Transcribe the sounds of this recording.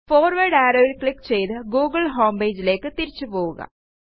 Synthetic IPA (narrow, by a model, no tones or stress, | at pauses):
foːrʋɐɽaːɾɐʋilkɭikːt͡ɕe̞jt̪ɨɡuːɡɐɭɦoːmbeːd͡ʑile̞ːkːɨt̪iɾit͡ɕːupoːʋuɣɐ̰